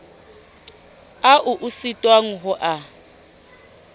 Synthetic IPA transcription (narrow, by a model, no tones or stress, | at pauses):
aʔuʔusitʼwaŋ̩ɦʊʔa